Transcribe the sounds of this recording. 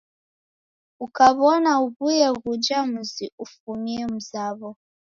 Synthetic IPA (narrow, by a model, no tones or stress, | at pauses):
ukaβɔnauβujɛɣud͡ʒamuziufumiɛm̩zaβɔ